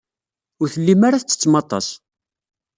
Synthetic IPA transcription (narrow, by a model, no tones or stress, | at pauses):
ʊɾθəlːimaɾaθət͡sːə̥t͡sːmɑt̪ˤɑ̰s